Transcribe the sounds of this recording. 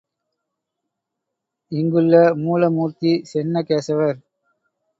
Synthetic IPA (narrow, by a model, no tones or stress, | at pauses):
ɪŋɡɯɭːɐmuːlɐmuːɾt̪isɛnːɐkeːsɐʋɐɾ